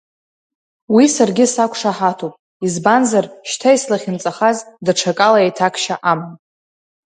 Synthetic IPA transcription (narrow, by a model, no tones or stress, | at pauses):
wisarɡʲɪsakʷʰʂaħatʰupʼ | izbanzarʃtʰaislaχʲɪnt͡sʼaχazdaʈ͡ʂʰakʼalaejtʰakʰʃaʔamnʼ